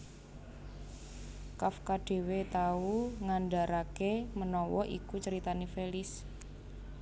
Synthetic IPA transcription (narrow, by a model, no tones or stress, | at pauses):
kafkaɖ̥e̤wet̪auŋanɖa̤ɾakemənɔwɔʔikut͡ʃəɾit̪anifelɪs